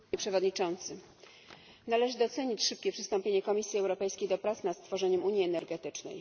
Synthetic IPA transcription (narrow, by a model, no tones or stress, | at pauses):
pʂɛvɔd̪ɲit͡ʂɔnt̪sɘ | nalɛʐɘd̪ɔt̪sɛɲit͡ɕʂɘp̚kʲɛpʂɘst̪ɔmpʲeɲɛkɔmʲisʲjiɛwɾɔpɛjskʲejd̪ɔpɾat̪snat̪st̪fɔʐɛɲɛmuɲjiɛnɛɾɡɛt̪ɘt͡ʂnɛ̰j